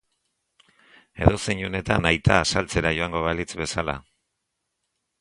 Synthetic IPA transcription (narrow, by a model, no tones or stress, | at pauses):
e̞ðo̞seɲune̞t̪anajt̪aːsalt͡se̞ɾajo̞aŋɡo̞βalit͡sβe̞sala̰